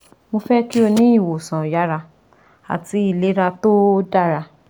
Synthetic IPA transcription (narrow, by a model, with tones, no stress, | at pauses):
mo˧fɛ˦ki˦o˧nĩ˦i˦˨wo˨sã˨ja˨˦ɾa˧ | a̰˨ti˨˦i˦˨le˨˦ɾa˧to˦da˦˨ɾa˧